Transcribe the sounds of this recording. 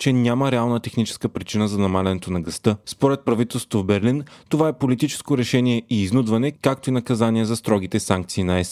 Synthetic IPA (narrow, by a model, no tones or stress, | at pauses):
t͡ʃɛnʲaməɾɛalˠnət̪ɛxnit͡ʃɛ̥skəpɾit͡ʃinəzɐnɐmalʲɛnɛt̪onɐɡɐst̪ɤspoɾɛt̪̚pɾɐvit̪ɛlˠst̪ŏ̥t̪ovbɛɾlint̪ovaɛpolit̪it͡ʃɛ̥skoɾɛʃɛniɛʔiːznud̪vɐnɛkak̚t̪oinɐkɐzanʲiɛzɐst̪ɾɔɡ̟it̪ɛsaŋk̚t̪siːnɐɛs